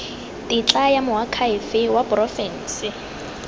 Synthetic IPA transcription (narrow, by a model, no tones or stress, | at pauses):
tʼit͡ɬʼajamʊɦakʰaɪfɪwapʼʊrɔfɛn̩ːsɪ